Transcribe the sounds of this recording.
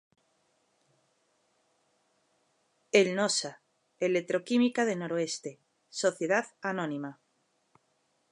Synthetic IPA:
elnosa | elet̪ɾokimikaðenoɾoest̪e | soθjeð̞aðanõnima

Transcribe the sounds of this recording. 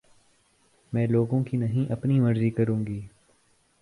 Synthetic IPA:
mɛ̃ːloːɡõkinɐɦĩʔɐpnimɐɾzikɐɾũːŋɡiː

